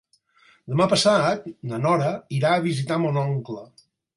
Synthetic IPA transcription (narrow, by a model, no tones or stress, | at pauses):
d̪əmapəsat̪̚nənɔɾəiɾaəβizit̪amɔnɔŋklə